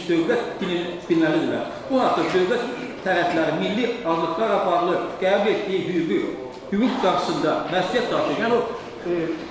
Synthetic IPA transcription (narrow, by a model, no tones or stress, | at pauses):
d̪̥øwlæt̪̚d̪̥ininbilːælid̪ilæ̰ɾ | b̥uɦɑq̚d̪ɑd̪øwlæt̪ʰː | æɾæflæɾimilːiɑzlˠɯqlˠɑɾɑpɑɾlˠɯɡ̥æːbulet̪ːijiɦyjyɡy | hyɡykɡɑɾʃɯ̥sɯnd̪ɑmæslijæt̪ːɑɾt̪ʰɯjʲæno